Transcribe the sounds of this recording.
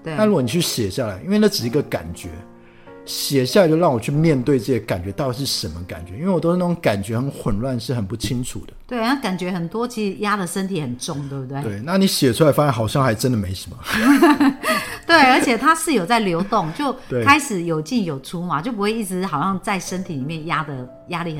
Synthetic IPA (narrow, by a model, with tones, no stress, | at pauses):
t̪we˥˩na˥˧u˥ɡɔ˨ni˨˩t͡ɕʰy˥˩ɕjɛ˨˩ɕja˥˩la˧˥ɪʔi˥nwe˥˧ɪnə˥˩ʈ͡ʂɻ̩˨˩˧ɡə˧ka̰˨˩nt͡ɕɥɛ̰˧˥ | ɕjɛ˨˩ɕja˥˩a˧˦t͡ɕo˥˧ɻɑ˥˩ŋwɔ˨˩t͡ɕʰy˥˧mjɛ˥˧nt̪we˥˧ɪʈ͡ʂɤ˥˩ɕjɛ˧˥ka˨˩nt͡ɕɥɛ˧˦t̪ɑ˥˧ʊt̪i˨˧˩ʂɻ̩˥˩ʂə˧˥nmə˦˧ka̰˨˩nt͡ɕɥɛ˧˦i˥nwe˥˩wt̪o˥ʊ˥na˥˩ʈ͡ʂo˧˦ŋka˨˩nt͡ɕɥɛ˧˥xə˧˥nxwə˨˩nlwa˥˧nʂɻ̩˥˩xə˨˩npu˥˩t͡ɕʰi˦˥ŋʰṵ˨˩d̪ə˦t̪we˥˩ɪna˥˩ka˨˩nt͡ɕɥɛ˧˥xə˨˩nt̪wɔ˥t͡ɕʰi˧˥ʂɻ̩˧˦ja˦˥d̪ə˨ʂə˥nt̪ʰi˨˥xə˨˩nʈ͡ʂʊ˥˩ŋt̪we˥˩bu˧˩t̪we˥˩e˩˥˩ɪna˥˩ni˨˦˥ɕjɛ˨˩ʈ͡ʂʰu˥la˧˥ɪfa˥ɕa˧˥nxɑ˨˩ʊɕjɑ˥˨ŋxa˧˥ɪʈ͡ʂə˦nd̪ə˨me˧˥ɪʂə˧˦mə̰˦ | t̪we˥˩ɪə˞˧˥t͡ɕʰjɛ˨˩t̪ʰa˥ʂɻ̩˥˩jo˨˩t͡sa˥˩ɪljo˧˥ʊt̪ʊ˥˩ŋt͡ɕjo˥˩ʊt̪we˥˩kʰa˥ɪʂɻ̩˨˩jo˨˩ʊt͡ɕi˥˩njo˨˩ʊʈ͡ʂʰu˥ma˨˦t͡ɕjo˥˩ʊp̬u˦xwe˥˧ɪi˥˩ʈ͡ʂɻ̩˧˥xɑ˨˩ʊɕjɑ˥˧ŋt͡sa˥˩ɪʂə˥nt̪ʰi˨˩li˨˩mjɛ˥˩nja˦˥d̪ə˨ | ja˦˥li˥˩˨